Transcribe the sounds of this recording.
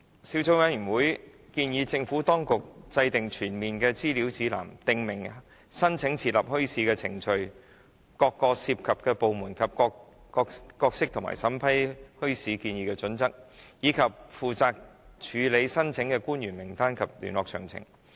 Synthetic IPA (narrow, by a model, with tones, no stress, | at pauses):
siː˨˥wt͡sʰo˧˨˥wɐ˨˥njy˨˩nwuː˨˥jkiː˧njiː˨˧t͡sɪ˧ŋfuː˨˥t̪ɔː˥ŋkʊ˨k̚t͡sɐ˧jt̪ɪ˨ŋt͡ʃʰyː˨˩nmiː˨nkɛː˧t͡siː˥liː˨˥wt͡siː˨˥la̰ː˨˩mt̪ɪ˨ŋmɪ˨˩ŋ | sɐ˥nt͡sʰɪ˨˥ŋt͡sʰiː˧t̚lɐ˨p̚hɵ˥ɥsiː˨˧kɛː˧t͡sʰɪ̰˨˩ŋt͡ʃɵ˧ɥ | kɔː˧kːɔː˧siː˧p̚kʰɐ˨p̚kɛː˧po˨wmuː˨˩nkʰɐ˨p̚ː | kɔː˧kkɔː˧k̚sɪ˥k̚t̪ʰʊ˨˩ŋma̰ː˨˩jsɐ˨˥mpʰɐ˥jhɵ˥ɥsiː˨˥kiː˧njiː˧kɛː˧t͡sɵ˨˥nt͡sɐ˥k̚jiː˨˧kʰɐ˨p̚fuː˨t͡saː˧k̚t͡ʃʰyː˨˧le˨˧jsɐ˥nt͡sʰɪ˨˥ŋkɛː˧kuː˥njyː˨˩nmɪ˨˩ŋt̪aː˥nkʰɐ˨p̚ly̰˨˩nlɔː˨k̚t͡ʃʰœ̰ː˨˩ŋt͡sʰɪ̰˨˩ŋ